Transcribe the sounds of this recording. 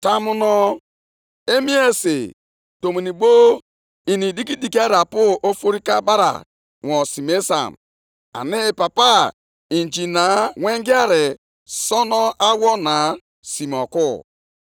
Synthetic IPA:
ta˦mʊ˦nɔ˦ | e˦mi˦e˦sḛ˨ | to˨mi˨ni˨bo˦ | i˨ni˨di˦ki˦di˨ki˦a˦ɾa˨pʊ˦ʔo˦fo˦ɾi˦ka˦ba˦ɾa̰˨ | wɔ˨si˨me˦sa̰˨m | a̰˨nɪ˦˨pa˨pa˦ | i˨n˨d͡ʒi˨na˨wʷe˦ŋɡi˦a˦ɾe˨ | sɔ˦nɔ˦ʔa˦wɔ˦na˨ | si˨m˨ɔ˨kʊ˦˨

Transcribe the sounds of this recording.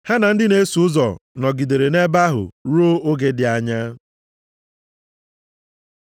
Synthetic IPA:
ha˦na˨n̩˦dɪ˦ne˦su˨ʊ˦zɔ˨nɔ˨ɡi˨de˨ɾe˨ne˦ba˦ɦʊ̰˨ɾo˦o˦ɡe˦dɪ˨a˨ɲa˦

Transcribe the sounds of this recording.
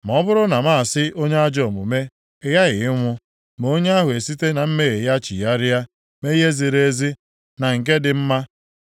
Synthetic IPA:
m˨ɔ˦bʊ˦ɾʊ˦na˨ma˦a˨sɪ˦ʔo˦ɲe˦a˦d͡ʒɔ˨mʊ̰˨me˦ | ɪ˦ɣa˦ɣɪ˨ɪ˦ŋʷʊ˦ | m˨o˦ɲe˦a˦ɦʊ˨e˨si˦te˦na˨m̩˦me˦ɣe˨ja˦t͡ʃḭ˨ja˦ɾɪ˦ja˦ | me˦i˦ɦe˦zi˨ɾe˦e˦zi˦ | na˨ŋ̩˨k̬e˦dɪ˨m̩˦ma˦

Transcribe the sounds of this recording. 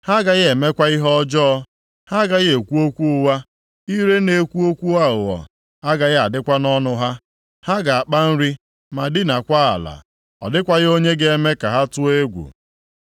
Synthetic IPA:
ha˦ɡa˨ɣɪ˦e˨me˦kʷa˦i˦ɦɔ˦ɔ˦d͡ʒɔː˦ | ha˦ɡa˨ɣɪ˦e˨kʷu˦o˦kʷu˦ʊ˦wa˦ | i˦ɾe˦ne˨kʷu˦o˦kʷu˦a˦ʊ˨ɔ̰˨ | a˦ɡa˨ɣɪ˦a˨dɪ˦kʷa˦nɔ˦nʊ˦ɦa˦ | ha˦ɡa˨a˨k͡pa˦n̩˦ɾi˦ | ma˨dɪ˦na˨kʷa˦a̰˨la̰˨ | ɔ̰˨dɪ˦kʷa˦ɣɪ˦o˦ɲe˦ɡe˦e˦me˦ka˨ɦa˦tʊ˦e˦ɡʷṵ˨

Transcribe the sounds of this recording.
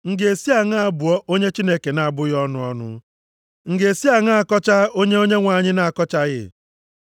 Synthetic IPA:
ŋ̩˨ɡe˨si˦a˨ŋa˦a˦˨bʊ˨ɔ˦ʔo˦ɲe˦t͡ʃi˦ne˦ke˨na˨a˨bʊ˦ɣɔ˦nʊ˦ɔ˦nʊ̰˦ | ŋ̩˨ɡe˨si˦a˨ŋa˦a˨kɔ˦t͡ʃa˦o˦ɲe˦o˦ɲe˦ŋʷa˨ɲɪ˦na˨a˨kɔ˦t͡ʃa˦ɣɪ̰˦

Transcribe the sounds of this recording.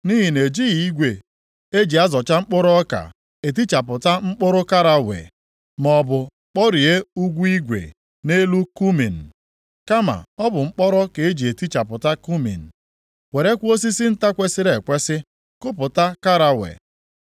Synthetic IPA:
ni˦ɦi˨ne˨d͡ʒi˦ɣi˨i˦ɡʷe˨ | e˦d͡ʒi˨a˦zɔ˨t͡ʃa˦ŋ͡m̩˦k͡pʊ˦ɾɔ˦ka̰˨ | e˨t̬i˦t͡ʃa˨p̬ʊ˨ta˦ŋ͡m̩˦k͡pʊ˦ɾʊ˦ka˦ɾa˨wḛ˨ | mɔ˨bʊ˨ | k͡pɔ˦ɾi˨e˦u˦ɡʷu˦i˦ɡʷḛ˨ | ne˦lu˦ku˦mi˨n̩˨ | ka˦ma̰˨ɔ˦bʊ˨ŋ͡m̩˦k͡pɔ˦ɾɔ˦ke˨e˦d͡ʒi˨e˨ti˦t͡ʃa˨pʊ˨ta˦ku˦mḭ˨n̩˨ | wʷe˨ɾe˦kʷo˦s̬i˦sɪ˦n̩˦ta˦kʷe˦sɪ˦ɾe˨kʷe˦sɪ˦ | kʊ˦pʊ˨ta˦ka˦ɾa˨wḛ˨

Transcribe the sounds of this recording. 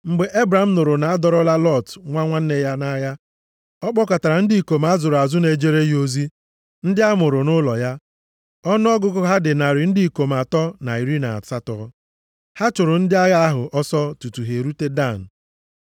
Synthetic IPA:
ŋ͡m̩˨ɡ͡be˨ʔe˦bɾa˨˦m̩˦nʊ˨ɾʊ˨na˨a˦dɔ˨ɾɔ˦la˦lɔ˦˨tŋʷa˦ŋʷa˦n̩˦ne˦ja˦na˦ja˦ | ɔ˦k͡pɔ˦ka˨ta˨ɾa˨n̩˦di˦˨i˨ko˨m˨a˦zʊ˨ɾa˨zʊ˦ne˨d͡ʒe˦ɾe˦ɦo˦zi˦ | n̩˦dɪ˦a˦mʊ˨ɾʊ˨nʊ˦lɔ˨ja˦ | ɔ˦nʊ˦ɔ˦ɡʊ˦kʊ˦ɦa˦dɪ˨na˨ɾɪ˨n̩˦di˦i˨ko˨m˨a˨tɔ˦na˨i˨ɾi˦na̰˨sa˦tɔ˦ | ha˦t͡ʃʊ˨ɾʊ˨n̩˦dɪ˦a˦ɣa˦a˦ɦʊ˨ʔɔ˦sɔ˦tu˨tu˨ɦe˨ɾu˦te˦da˦˨n̩˨

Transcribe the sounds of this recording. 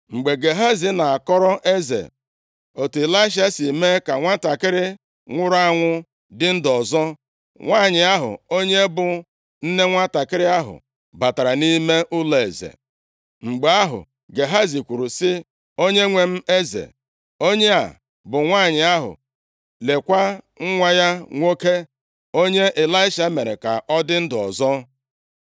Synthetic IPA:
ŋ͡m̩˨ɡ͡be˨ɡe˨ɦa˦zi˨na˨a˨kɔ˦ɾɔ˦ʔe˦zḛ˨ | o˨te˨la˦ɪ˦ʃ̬a˦si˨me˦ka˨ŋʷa˦ta˨kɪ˦ɾɪ˦ | ŋʷʊ˦ɾa˦ŋʷʊ˦ | dɪ˦n̩˦dɔ˨zɔ˦ | ŋʷaː˦˨ɲɪ˨a˦ɦʊ̰˨o˦ɲe˦bʊ˨ | n̩˦ne˦ŋʷa˦ta˨kɪ˦ɾɪ˦a˦ɦʊ̰˨ | ba˨ta˨ɾa˨ni˦me˦ʔʊ˦le˨e˨zḛ˨ | ŋ͡m̩˨ɡ͡be˨a˦ɦʊ̰˨ | ɡe˨ɦa˦zi˨kʷu˨ɾu˨sɪ˦ | o˦ɲe˦ŋʷe˨m̩˦e˦zḛ˨ | o˦ɲe˦a̰˨ | bʊ˨ŋʷaː˦˨ɲɪ˨a˦ɦʊ̰˨ | le˨kʷa˦ | ŋ̩˦ŋʷa˦ja˦ŋʷo˦ke˦ | o˦ɲe˦ʔe˨la˦ɪ˦ʃa˨˦me˨ɾe˨ka˨ʔɔ˦dɪ˦n̩˦dɔ̰˨zɔ˦

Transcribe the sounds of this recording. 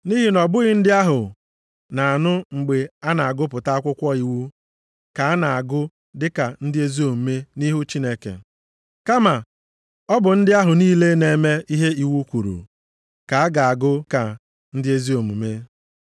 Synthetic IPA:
ni˦ɦi˨nɔ˨bʊ˦ɣɪ˦n̩˦dɪ˦a˦ɦʊ˨ | na˨a˨nʊ˦ŋ͡m̩˨ɡ͡be˨a˦na˨a˨ɡʊ˦pʊ˨ta˦a˦kʷʊ˦kʷɔ˦i˨wu˦ | ka˨a˦na˨a˨ɡʊ˦ | dɪ˦ka˨n̩˦dɪ˦e˦zi˦o˨mu˨me˦ni˦ɦu˦t͡ʃi˦ne˦kḛ˨ | ka˦ma˨ | ɔ˦bʊ˨n̩˦dɪ˦a˦ɦʊ˨niː˦le˦ne˨˦me˦i˦ɦe˦i˦wu˦kʷu˨ɾṵ˨ | ka˨a˦ɡa˨a˨ɡʊ˦ka˨ | n̩˦dɪ˦e˦zi˦o˨mu˨me˦

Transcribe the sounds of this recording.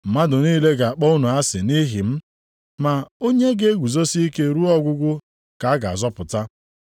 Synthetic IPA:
m̩˨ma˦dʊ˨niː˦le˦ɡa˨a˨k͡pɔ˦ʊ˦nʊ˨a˦sɪ˨ni˦ɦi˨m̩˦ | ma˨o˦ɲe˦ɡe˦e˦ɡʷu˨zo˦si˦i˦ke˦ɾu˦ɔ˦ɡʷʊ˦ɡʷʊ˦ | ka˨a˦ɡa˨a˨zɔ˦pʊ˨ta˦

